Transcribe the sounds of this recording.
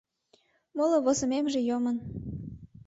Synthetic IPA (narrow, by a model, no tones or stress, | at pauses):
moloβozəmemʒejomən